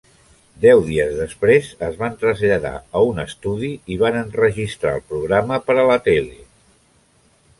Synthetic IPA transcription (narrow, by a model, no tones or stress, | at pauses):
d̪ɛwðiəzðəspɾezəzβant̪ɾəzʎəða̰əunəst̪uðiiβanənrəʒist̪ɾa̰əlˠpɾuɣ̞ɾaməpəɾələt̪ɛle